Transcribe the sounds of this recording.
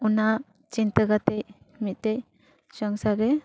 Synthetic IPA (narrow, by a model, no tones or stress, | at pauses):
una | t͡ʃint̪əɡat̪ɛc | mit̪̚t̪ɛj | sɔŋsaɾɛ